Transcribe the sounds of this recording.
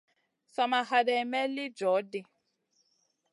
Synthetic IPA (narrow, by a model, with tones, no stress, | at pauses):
sa˨ma˨ɦa˨dɛ˨mɛ˦lɪ˦d͡ʒɔ˨˦dɪ˦